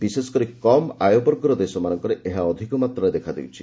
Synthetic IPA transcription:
bisesɔkɔɾikɔma̰jobɔɾɡɔɾɔd̪esɔmanɔŋkɔɾeʔeɦaɔd̪ʱikɔmat̪ɾɔed̪ekʰad̪ewt͡ʃʰḭ

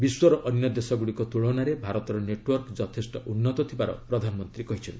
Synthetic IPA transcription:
biswɔɾɔʔɔnjɔd̪esɔɡuɽikot̪uɭɔwnaɾebʱaɾɔt̪ɔɾɔneʈwɔɾkd͡ʒɔt̪ʰesʈɔʔunːɔt̪ɔt̪ʰibaɾɔ̰pɾɔd̪ʱanɔmɔnt̪ɾikɔɦit͡ʃʰɔnti

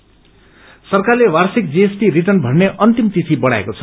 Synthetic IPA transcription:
sʌrkarlewarsik̚d͡ziesʈiriʈʌrnbʱʌnneʔʌnt̪imt̪it̪ʰibʌɽ̃a̰ḛkot͡sʰʌ̥

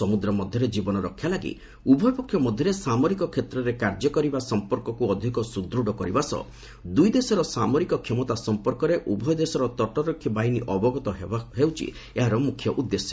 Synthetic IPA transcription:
ɔmud̪ɾɔmɔd̪ʱjɔɾed͡ʒibɔnɔɾɔkʰːjalaɡḭ | ubʱɔjɔpɔkʰːjɔmɔd̪ʱjɔɾesamɔɾikɔkʰːet̪ɾɔɾekaɾd͡ʒɔkɔɾibasɔmpɔɾkɔkuɔd̪ʱikɔsud̪ɾuɽɔkɔɾibasɔ̰ | d̪ujd̪esɔɾɔsamɔɾikɔkʰimɔt̪asɔmpɔɾkɔɾeʔubʱɔjɔd̪esɔɾɔt̪ɔʈɔɾɔkʰːibaɦiniʔɔbɔɡɔt̪ɔɦɦewt͡ʃʰḭ | eɦaɾɔmukʰjɔʔud̪ːesjɔ

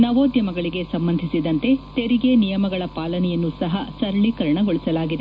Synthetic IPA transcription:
nɐʋoːd̪jɐmɐɡɐɭiɡe̞sɐmbɐnd̪ʱisid̪ɐnt̪e̞t̪eɾiɡe̞nijɐmɐɡɐɭɐpaːlɐnɛjɐnːusɐɦɐsɐɾɐɭikɐɾɐɳɐɡoɭisɐlaːɡid̪e

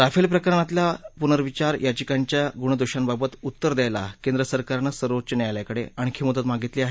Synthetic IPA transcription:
ɾafelpɾəkəɾəɳat̪ljapunəɾʋit͡ɕaɾjʔat͡ɕikaɲt͡ɕjaɡuɳəd̪uɕanbabət̪ut̪ːəɾd̪ajlakend̪ɾəsəɾkaɾnəsəɾʋot͡ɕəneajljakəɽḛaɽ̃ikʰimud̪ət̪maɡit̪liːaɦe

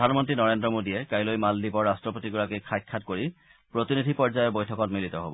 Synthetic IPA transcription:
dʱanmɔntɹinɔɹendɹɔmodiɛkajlojmaldibɔɹːastɹɔpotiɡuɹakikʰajkʰːatkoɹi | pɹot̪inidʱipɔɹzajɔɹbojtʰɔkɔtmilitɔɦobɔ

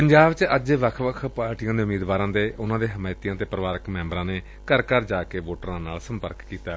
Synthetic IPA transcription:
pəɲd͡ʒaːbt͡ʃəd͡ʒeʋəkʰʋəkʰpaːɾʈijãːd̪eːʊmiːd̪ʋaːɾãːd̪eːʔʊnãːd̪eːɦəmaːɪt̪ijãːt̪eːpɾəʋaːɾəkmɛ̃ːmbɾãːneː | kəɾkəɾd͡ʒaːkeːʋoːʈəɾãːnaːlsə̃mpə̰ɾkkːiːt̪aː

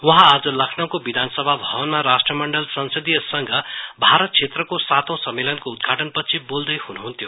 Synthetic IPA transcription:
wʌɦãːd͡zʌlʌkʰnaw̃kobid̪ʱansʌbʱabʱʌbʌnmaɾasʈrʌmʌɳɖʌlsʌnsʌd̪ijʌsʌŋɡʱʌbʱaɾʌt̪̚t͡sʰet̪rʌkosat̪õw̃sʌmːelʌnkoud̪̚ɡʱaʈʌnpʌt͡sʰibold̪ʌjhunuɦunt̪ʰjo

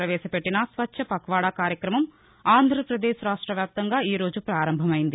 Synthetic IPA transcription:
ɾɐʋeːsɐpeʈːinɐsʋɐt͡ʃːɐpɐkʋaːɽaːkaːɾjɐkɾɐmɐm | aːnd̪ʱɾɐpɾɐd̪eːʃɾaːʂʈɾɐʋjaːp̚t̪ɐŋɡaːiːɾoːd͡ʒupɾaːɾɐmbʱɐmɐjnd̪i

